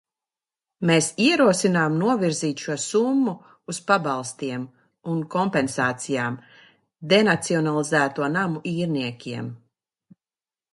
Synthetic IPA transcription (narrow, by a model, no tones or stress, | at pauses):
meːsiɛɾuɔsinaːmnuɔviɾziːt̪ʃuɔsumːu | uspabalˠst̪iɛm | unkɔmpɛnsaːt̪sijaːm | d̪enat̪siɔnalˠizæːt̪uɔnamuʔiːɾniɛkʲiɛm